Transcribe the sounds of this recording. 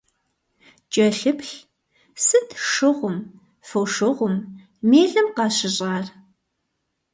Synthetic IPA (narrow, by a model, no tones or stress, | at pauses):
t͡ʃʼɐɬɨpɬ | sɨtʰʂɨʁʷʊm | fɐwʂɨʁʷʊm | meːɮɐmqɑːɕɪɕʼɑːr